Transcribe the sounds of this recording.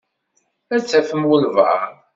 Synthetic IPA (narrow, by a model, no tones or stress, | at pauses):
æt͡sːæfəmwəlva̰